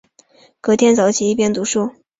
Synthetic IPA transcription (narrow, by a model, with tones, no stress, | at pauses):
kɤ˧˥t̪ʰjɛ˥nt͡sɑ˨˧˥ʊt͡ɕʰi˧˥i˧˥˩pjɛ˥nt̪u˧˥ʂu˥˩